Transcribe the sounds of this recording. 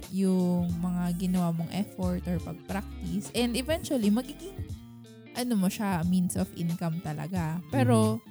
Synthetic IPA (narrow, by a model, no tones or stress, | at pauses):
jʊŋmɐŋaɡɪnɐwamoŋʔɛfoɹt̪ʔɔɹpɐɡ̚pɾak̚t̪ɪsʔɛnd̪ɛvɛnt͡ʃuɐlimɐɡiːɡɪŋ | ʔɐnomoʃaminsofʔɪ̰nkɐmt̪ɐlɐ̰ɡapɛːɾo̞